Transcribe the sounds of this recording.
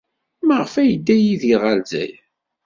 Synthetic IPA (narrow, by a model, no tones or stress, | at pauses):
məʁfæjəd̪ːæjiðiʁəlzæ̰j